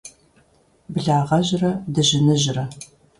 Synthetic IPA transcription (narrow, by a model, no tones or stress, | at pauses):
bɨɮaːʁɐʑrɐdɨʑɪnɨʑɪrɐ